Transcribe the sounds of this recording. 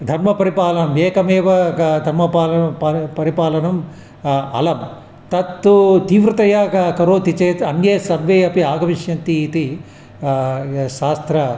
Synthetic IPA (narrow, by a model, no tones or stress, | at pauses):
d̪ʱɐɾmɐpɐɾipaːlɐnɐmeːkɐmeːʋɐd̪ʱɐɾmɐpaːlɐpɐɾipaːlɐnɐm | ɐ̰lɐm | t̪ɐt̪ːut̪iːʋɾɐt̪ɐjaːkkɐɾoːt̪it͡ʃeːt̪ɐnjeːsɐɾʋeːɐpiaːɡɐmiʃjɐnt̪it̪i | ʃaːst̪ɾɐ